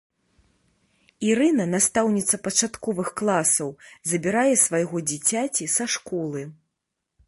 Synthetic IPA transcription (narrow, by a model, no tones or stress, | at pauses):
iɾɨnɐnast̪awnʲit̪sɐpɐt͡ʂat̪kɔvɨxklˠasɐwzɐbʲiɾajɛsvajɣɔd͡zʲit͡sʲat͡sʲisaʂkɔlˠɨ